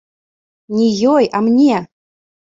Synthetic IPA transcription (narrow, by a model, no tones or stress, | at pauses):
nʲijojamnʲe